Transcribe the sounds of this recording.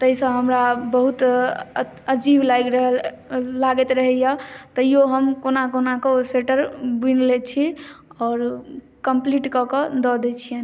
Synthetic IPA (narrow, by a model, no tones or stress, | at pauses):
t̪əisə̃ɦəmɾabəɦut̪ | əd͡ʒiblaɡɾəɦəl | laɡɛt̪ɾəɦɛjat̪əjoɦəmkonakonakoseʈəɾbinlet͡ʃʰiɔːɾ | kəmpliʈkɔkəd̪ɔd̪ɛt͡ʃʰijen